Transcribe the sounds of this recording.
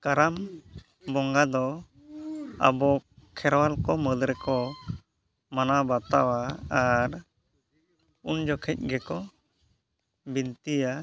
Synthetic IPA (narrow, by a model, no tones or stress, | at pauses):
kaɾam | bɔŋɡad̪ɔ | a̰bɔkʰɛɾwalkɔməd̪ɾɛkɔ | manabat̪awaːɾ | und͡ʒɔkʰɛc̚ɡɛkɔ | bint̪ija